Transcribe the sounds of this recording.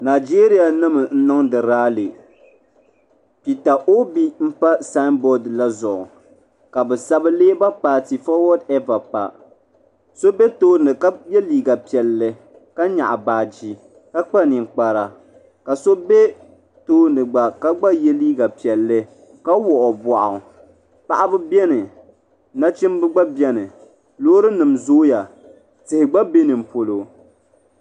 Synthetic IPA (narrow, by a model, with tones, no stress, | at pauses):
naː˨d͡ʒeː˦ɾi˦ja˨nɨ˦mɨ˨n̩˦nɨ˦ŋdɨ˨ɾaː˦lɨ˨ | pi˨ta˨ʔo˦bi˦m̩˦pa˦sa˦nbɔ˦dla˦zʊ˨ʔʊ˨ | ka˨bɛ˨sa˦bɨ˦leː˦ba˦paː˨ti˨fɔ˦wɔ˦dɛ˦va˨pa̰˨ | so˦be˦toː˦nɨ˨ka˦jɛ˦liː˨ɡa˨pi˨ɛ˨lːɨ˦ | ka˦ɲa̰˨ʔa˨baː˨d͡ʒi˦ | ka˦k͡pa˦nɪ˨ŋ˨k͡pa˨ɾa˨ | ka˨so˦be˦ | toː˦nɨ˨ɡ͡ba˨ka˦ɡ͡ba˦jɛ˦liː˦ɡa˨pi˨ɛ˨lːɨ˦ | ka˦wɔ˨ʔɔ˨bɔ˨ʔa̰˨ | pa˨ʔa˦bɨ˦bjɛ˦nɨ˨ | na˦t͡ʃɪ˦mbɨ˦ɡ͡ba˦bjɛ˦nɨ˨ | loː˦ɾɨ˦nɨ˨mzoː˦ja˨ | tɨ˨hɪ˨ɡ͡ba˦be˦nɨ˨m̩˨po˨lo˨